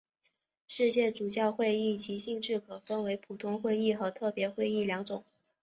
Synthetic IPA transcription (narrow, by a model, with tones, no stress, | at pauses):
ʂɻ̩˥˧ɕjɛ˥˩ʈ͡ʂu˨˩t͡ɕjɑ˥˧ʊxwe˥˧ɪi˥˩t͡ɕi˧˥ɕi˥˧ŋʈ͡ʂɻ̩˥˩kʰɤ˨˩fə˥nwe˧˥ɪpʰu˨˩t̪ʰʊ˥ŋxwe˥˧ɪi˥˩xɤ˧˥t̪ʰɤ˥˩pjɛ˧˥xwe˥˧ɪi˥˩ljɑ˧˥ŋt͡sʊ˨˩˦ŋ